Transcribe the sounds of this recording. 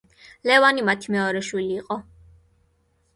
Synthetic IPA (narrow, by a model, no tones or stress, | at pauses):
lɛvanimat̪ʰimɛɔɾɛʃwiliːqʼɔ